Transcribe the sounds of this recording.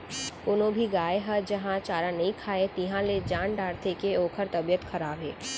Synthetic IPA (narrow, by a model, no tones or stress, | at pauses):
kʊnõbʱiɡaːeɦɐd͡ʒɐɦãt͡ʃaːɾanɐɦĩkʰaːet̪iɦãled͡ʒãːnɖaːɽt̪ʰekeoːkʰəɾt̪ɐbijət̪xɐɾaːbḛː